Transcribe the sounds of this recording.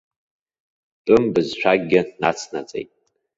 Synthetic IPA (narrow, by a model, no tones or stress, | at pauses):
tʼɨmbɨzʃʷᶣaɡʲːɪnat͡sʰnat͡sʼḛjtʼ